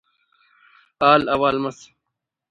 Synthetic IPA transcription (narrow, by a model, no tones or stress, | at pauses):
aːlɐwaːlmɐs